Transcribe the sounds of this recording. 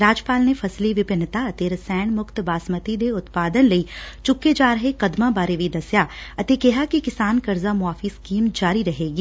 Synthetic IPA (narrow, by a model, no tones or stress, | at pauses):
ɾaːd͡ʒpaːlnefʰɐsliʋɪbɪnːət̪aɐt̪eːɾsɛːɳ̃mʊkt̪baːsmət̪id̪eʊt̪paːd̪ənlɐiːt͡ʃʊkːed͡ʒaːɾɐɦekɐd̪mãbaːɾeʋid̪ɐsjaɐt̪ekɪɦakikɪsaːnkɐɾzamʊaːfiskiːmd͡ʒaːɾiɾɐɦeːɡiː